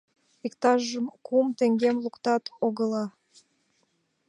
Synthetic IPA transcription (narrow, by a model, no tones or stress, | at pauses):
ikt̪ɑʒəmkumt̪eŋɡemlukt̪ɑt̪oɣəlɑ